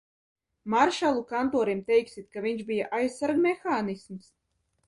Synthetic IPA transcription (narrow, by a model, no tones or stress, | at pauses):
maɾʃalˠukant̪ɔːɾimt̪ɛjksit̪̚kaviɲʃbijaʔajssaɾɡmʲɛxaːnisms